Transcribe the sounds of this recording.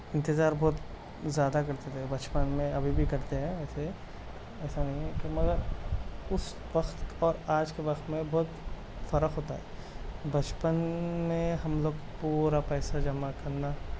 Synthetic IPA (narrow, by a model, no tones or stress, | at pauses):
ɪ̃nt̪ɪzaːɾbɔːt̪ | zjaːd̪akɐɾt̪et̪ʰebɐt͡ʃpənmẽɐbʱibʱikɐɾt̪eɦɛ̃ɛːse | ɛːsanɐɦĩɦɛ̃kimɐɡəɾʊs | ʋɐqt̪ɔːɾaːd͡ʒkeʋɐqt̪mẽbɔːt̪ | fɐɾəqɦoːt̪aɦɛː | bɐt͡ʃpənmẽɦɐmloːɡ | puːɾapɛːsad͡ʒɐmakɐɾna